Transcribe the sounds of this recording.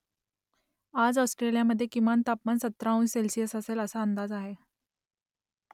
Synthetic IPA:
ad͡zɔwsʈɾelijaməd̪ʱːjekimant̪apmansət̪ɾaũnselsijəsəseləsaənd̪ad͡zaɦe

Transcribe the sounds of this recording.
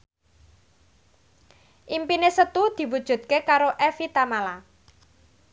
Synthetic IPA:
ʔimpinesət̪ud̪̥i̤wud̥ʒ̥ṳt̪̚kekaɾoʔɛfit̪amala

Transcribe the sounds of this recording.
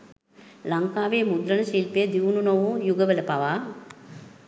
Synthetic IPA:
lɐŋkaːʋeːmud̪ɾɐnəʃiːlpejəd̪iʋnunɐʋujuɡəʋələpaʋaː

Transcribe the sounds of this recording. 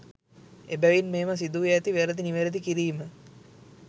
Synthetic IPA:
ebæʋinmeːmas̬id̪ujeːt̪iʋeɾəd̪iniʋeɾəd̪ikiɾiːmə

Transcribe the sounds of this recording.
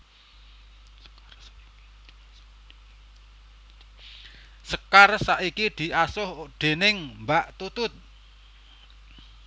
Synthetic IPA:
səkarsaʔikid̪̥i̤ʔasʊhɖ̪̥e̤nɪŋmbaʔt̪ut̪ʊt̪̚

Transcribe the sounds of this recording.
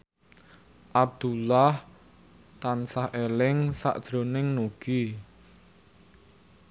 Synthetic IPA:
ʔab̚d̪̥ulah | t̪ansahʔelɪŋsa̰ʔd̥ʒ̥ɾo̤nɪŋnuɡ̥i

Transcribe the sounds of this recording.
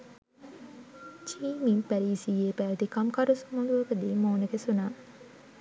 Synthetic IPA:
t͡ʃiːmimpæɾiːsiːeːpæːʋt̪ikamkaɾusumɐŋɡuʋɐkəd̪iːmoːnəkesunaː

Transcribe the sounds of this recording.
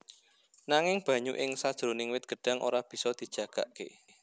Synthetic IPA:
naŋɪŋb̥ä̤ɲuʔɪŋsad̥ʒ̥ɾonɪŋwɪt̪̚ɡ̥ə̤ɖ̥a̤ŋʔo̰ɾab̥i̤sɔd̪̥i̤d̥ʒ̥ä̤ɡ̥aʔkḛ

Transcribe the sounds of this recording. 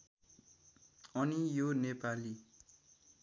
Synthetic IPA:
ʌnijonepali

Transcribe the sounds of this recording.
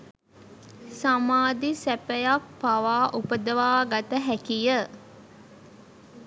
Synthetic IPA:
samaːd̪isæpəjak̚paʋaːʔupəd̪əʋaːɡat̪əɦækijə

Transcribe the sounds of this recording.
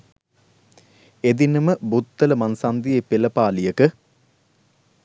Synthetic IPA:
ed̪inɨməbut̪ːɐlɐmɐnsɐnd̪ijepelɐpaːlijɐkə

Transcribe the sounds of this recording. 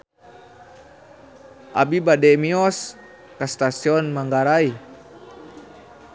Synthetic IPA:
ʔa̰bibadɛmiɔs | kast̪asiɔnmaŋɡaɾai

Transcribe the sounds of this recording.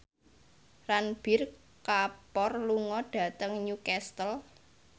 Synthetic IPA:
ranb̥ɪ̤r | kapɔrluŋɔɖ̥ä̤t̪əŋɲukɛst̪əl

